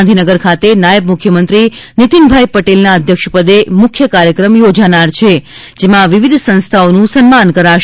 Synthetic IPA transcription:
nd̪ʱinəɡəɾkʰat̪enajəbmukʰjəmənt̪ɾinit̪inbʱajpəʈelnaəd̪ʱjəkʃpəd̪emʊkʰːjəkaɾjəkɾəmjod͡ʒanaɾt͡ʃʰe | d͡ʒemãʋiʋid̪ʱsə̃nst̪ʰaonũsənmankəɾaʃ

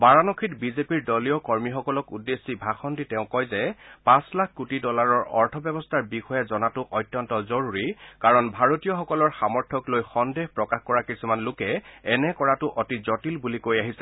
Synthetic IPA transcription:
baɹanɔkʰitbizepiɹdɔliɔkɔɹmixɔkɔlɔkudːesːibʱaxʰɔnditɛʊ̃kɔjzɛpãslak̚ʰkutidɔlaɹɔɹɔɹtʰɔbjɛbɔstʰaɹbixɔjazɔnatʊʔɔjtjɔntɔzɔɹuɹikaɹɔnbʱaɹotijɔxɔkɔlɔɹxamɔɹtʰɔklojxɔndexpɹɔkaxkɔɹakisumanlʊkɛɛnɛkɔɹatʊʔɔtizɔtilbulikojaɦisɛ

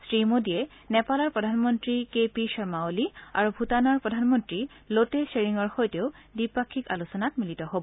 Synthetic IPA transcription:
sɹimodijɛ | nɛpalɔɹpɹɔdʱanmɔntɹikepiʃɔɹmaolia̰ɹubʱutanɔɹpɹɔdʱanmɔntɹi | loteseɹiŋɔɹxojteʊ | dipakʰːika̰lusɔnatmilitɔɦobɔ

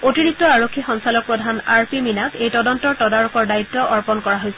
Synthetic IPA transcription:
otiɹik̚tɔaɹokʰːixɔŋsalɔk̚pɹɔdʱanaɹpiminakejtɔdɔntɔɹtɔdaɹɔkɔɹdaitːɔʔɔɹpɔnkɔɹaɦojsɛ

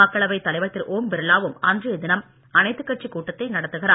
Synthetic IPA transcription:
ɐkːɐɭɐʋɐɪt̪ːɐlɐɪʋɐt̪ːɪɾʔoːmbɛɾɯlaːʋɯmɐndrɯd̪ɪnɐm | ɐnɐɪt̪ːɯkːɐʈ̚t͡ʃikuːʈːɐt̪ːɐɪnɐɽɐt̪ːɯɣɪɾaː

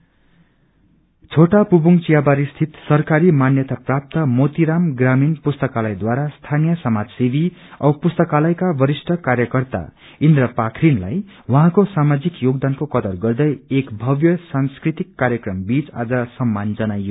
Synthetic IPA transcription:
t͡sʰoʈapubuŋt͡sijabaɾist̪ʰit̪sʌrkaɾimanjʌt̪aprap̚t̪ʌmot̪iɾamɡraminpust̪ʌkalʌjd̪waɾast̪ʰanijʌsʌmad͡zsid̪ʱiʌpust̪ʌkalʌjkabʌɾisʈʰʌkaɾjʌkʌrt̪a̰ | ind̪rʌpakʰrinla̰jwʌɦãkosamad͡zikjoɡd̪ankokʌd̪ʌrɡʌrd̪ʌjekbʱʌbjʌsanskrit̪ikːaɾjʌkrʌmbit͡sa̰d͡zʌsʌmːand͡zʌnajːo

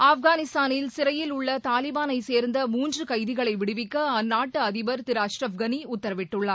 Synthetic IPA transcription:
aːfɡaːnɪst̪aːnɪlsɪɾɐjɪlʊɭːɐt̪aːlɪbaːnɐɪseːɾnd̪ɐmuːndrɯkɐɪðɪɣɐɭɐɪʋɪɽɪʋɪkːɐɐnːaːʈːɯɐðɪʋɐɾt̪ɪɾaːʂɾɐfɡɐniʊt̪ːɐɾɐʋɪʈːɯɭːɐ

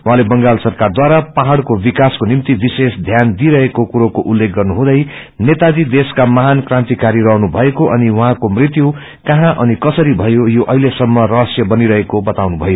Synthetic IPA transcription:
waɦãlebʌŋɡalsʌrkard̪waɾapaɦaɽkobikaskonimt̪ibisesd̪ʱjand̪iɾʌɦekokuɾokoʔulːek̚ɡʌrnuɦũd̪ʌj | net̪ad͡zid̪eskamʌɦankrãnt̪ikaɾiɾʌɦnubʱʌekoʔʌniwʌɦãkomrit̪ju | kaɦãʔʌnikʌsʌɾibʱʌjojoʔʌ̰ɦilesʌmːʌrʌɦʌsjʌbʌniɾʌɦekobʌt̪awnubʱʌjo

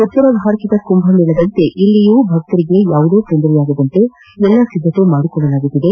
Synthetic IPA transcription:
ɔt̪ːuɾɐbɦaːɾkid̪ɐkumbʱɐmiɭɐd̪ɐnt̪e̞ʔilːijuːbʱɐɡt̪ɐɾiɡe̞jaːʋud̪oːkend̪ɾɛjaːɡɐd̪ɐnt̪e̞ | ɛlːɐsid̪ʱːɐt̪umaːɽikɔɭːɐlaːɡut̪ːid̪e̞

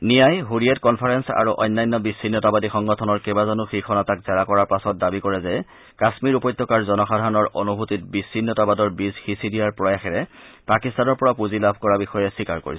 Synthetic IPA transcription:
nijajɦuɹijɛtkɔnpʰaɹɛnsa̰ɹuʔɔ̰jnːajnːɔbisːinːɔtabadixɔŋɡɔtʰɔnɔɹkɛbazɔnuxixʰɔnatakz̥ɛɹakɔɹaɹpasɔt̚dabikɔɹɛzɛ | kasmiɹupɔjtːɔkaɹzɔnɔxadʱaɹɔnɔɹo̰nubʱutitbisːinːɔtabadɔɹbizxisidijaɹpɹɔjaxɛɹɛpakistanɔɹpɔɹapuzilabʱkɔɹabixɔjɛsikaɹko̰ɹis

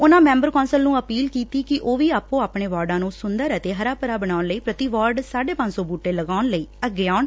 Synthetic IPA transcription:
ʊnãːmɛ̃ːmbəɾkɔːnsəlnũːəpiːlkiːt̪iːkɪʔoːʋiːaːpõːaːpɳeːʋaːɾɖãːnũːsʊnd̪əɾət̪eːɦəɾaːpəɾaːbəɽaːʊnləiːpɾət̪iːʋaːɾɖsaːɖeːpə̃ɲsɔːbuːʈːeːləɡaːʊnləiːəɡɪjaːʊn

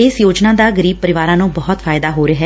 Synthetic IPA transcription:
ɪːsjoːd͡ʒnaːd̪aːɡəɾiːb̚pəɾɪʋaːɾãːnũːbɔːt̪fʰaːɪd̪aːɦoːɾəɦɛː

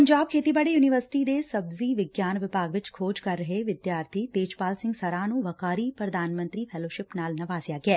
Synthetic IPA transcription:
pɐɲd͡ʒaːb̚kʰeːt̪ibaːɽejuːnɪʋəɾsɪ̥ʈid̪eːsɐbziʋɪɡjaːnʋɪpaːɡʋɪt͡ʃkʰoːd͡ʒkɐɾːɐɦeʋɪd̪jaːɾt̪ʰit̪eːd͡ʒpaːlsɪ̃ŋɡsɐɾaːnũʋɐkaːɾiːpɾɐd̪aːnmə̃nt̪ɾiːpʰɛːloːʃɪpnaːlnɐʋaːzjaːɡɛː

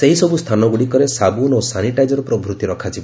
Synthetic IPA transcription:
seɦisɔbust̪ʰanɔɡuɽikɔɾesabunosaniʈajd͡ʒɔɾɔpɾɔbʱɾut̪iɾɔkʰad͡ʒibɔ

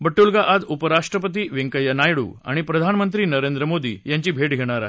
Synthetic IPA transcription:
bəʈːulɡaʔad͡zupəɾaʂʈɾəpət̪̬iːʋiŋkəjanajɽṵːa̰ɽ̃ipɾəd̪ʱanmənt̪ɾiːnəɾend̪ɾəmod̪ḭːjãɲt͡ɕiːbʱeʈɡʱeɽ̃aɾaɦe

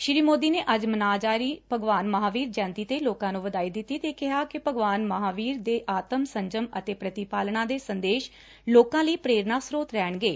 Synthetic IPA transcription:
ʃɪɾiːmoːd̪iːneːʔəd͡ʒmənaːd͡ʒaːɾiːpəɡʋaːnməɦaːʋiːɾd͡ʒɛ̃ːnt̪iːt̪eːloːkãːnũːʋəd̪aːiːd̪ɪt̪ːiːt̪eːkɪɦaːkɪpəɡʋaːnməɦaːʋiːɾd̪eːʔaːt̪əmsəɲd͡ʒəmət̪eːpɾət̪ipaːlnãːd̪eːsənd̪eːʃ | loːkãːliːpɾeːɾnaːsɾoːt̪ɾɛːɳɡeː

